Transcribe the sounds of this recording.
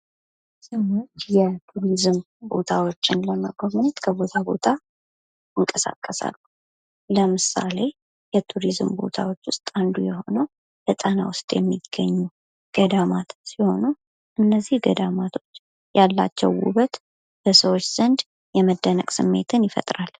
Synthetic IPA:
səwot̪jɛt̪ʰuɾizɨm | bo̞̰t̪ʰawo̞t͡ʃːɪnləməɡoβnət̪kʰəbo̞t̪ʰabo̞̰t̪ʰa | ɨŋkʼəsa̰kʼːəsa̰lːu | ləmɨsa̰le̞ | jɛt̪ʰuɾizɨmbo̞̰t̪ʰawo̞t͡ʃːwʊst̪ʼand̪ujɛho̞̰nəw | lɛt̪ʼəna̰wʊst̪ʼjɛmːiɡːəɲːu | ɡ̥əd̪amat̪siho̞nu | ʔɨnːəzːihɡəd̪amat̪ʰo̞t͡ʃː | jalːa̰t͡ʃːɛwṵβət̪ | b̥əsəwo̞t͡ʃːz̥ənd̪ | jɛməd̪ːənəkʼsɨmːe̞̰t̪ʰɨnjɪfə̰t̪ʼɾal

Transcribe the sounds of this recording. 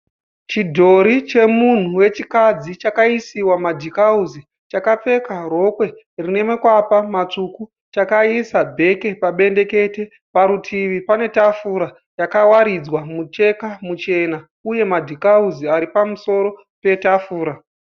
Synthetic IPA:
t͡ʃidʱo̞ɾit͡ʃe̞mun̤uwe̞t͡ʃikad͡zit͡ʃakaisiwamadʱikauzi | t͡ʃakap͡fe̞karo̞kwe̞ | rine̞mekwapamat͡ʂuku | t͡ʃakaisabʱe̞ke̞paɓe̞nde̞ke̞te̞ | paɾutʰiʋipane̞tafuɾa | jakawaɾid͡zwamut͡ʃe̞kamut͡ʃe̞na | uje̞madʱikauziaɾipamuso̞ɾo̞ | pe̞tafuːɾa

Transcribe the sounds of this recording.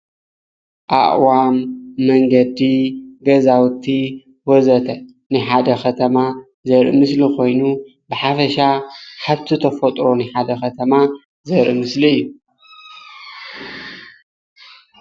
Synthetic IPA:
ʔa̰ʔʼwamːɐŋɡɐd̪iɡɐzawt̪ʰi | wɔzɐt̪ʰɐ | nɨħad̪ɐxʰɐt̪ʰɐma | zɐɾʔɨ̰mɨslikʰo̞jnu | bɨħafɐʃaħaβt̪ʰit̪ʰɐfot̪ʼɾo̞nɨħad̪ɐxɐt̪ʰɐma | zɐɾʔɨmɨsliɨjːu

